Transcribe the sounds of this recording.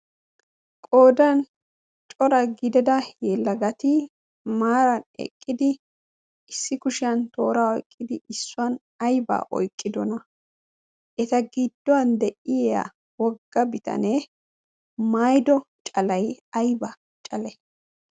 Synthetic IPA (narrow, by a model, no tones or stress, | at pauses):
kʼoːd̪ɐn | t͡ʃʼɔɾɐɡɪd̪ɛd̪ɐjɛlːɐɡɐt̪ɪ | maːɾɐnɛ̰kʼːɪd̪ɪ | ɪsːɪkʊʃɪjɐnt̪o̞ːɾaːɔ̰jkʼːɪd̪ɪʔɪsːʊɐn | ɐjba̰ːʔɔ̰jkʼːɪd̪ɔnɐ | ʔɛt̪ɐɡɪd̪ːɔwɐnd̪ɛʔɪjɛja̰ | wɔɡːɐbɪt̪ɐ̰ne | maːjd̪ɔ | t͡ʃʼɐlɐjɐjbɐ | t͡ʃʼɐlɛ